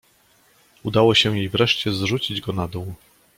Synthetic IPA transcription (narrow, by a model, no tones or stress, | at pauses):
ud̪awɔɕɛ̃jejvɾɛʂt͡ɕɛzʐut͡ɕid͡ʑɡɔnad̪uw